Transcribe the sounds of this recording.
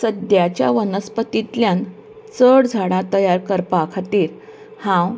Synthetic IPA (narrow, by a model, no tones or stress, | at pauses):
səd̪jat͡ɕja̰ʋənəspət̪it̪ljan | t͡səɽd͡zʱaɽãt̪əjaɾkəɾpakʰat̪iːɾ | hãw